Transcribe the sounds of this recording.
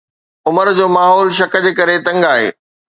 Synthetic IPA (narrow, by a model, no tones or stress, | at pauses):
ʊməɾd͡ʑoːmaːɦɔːlʃ̬ɐkə̆d͡ʑeːkɐɾet̪ɐ̃ŋɡaːɦḛː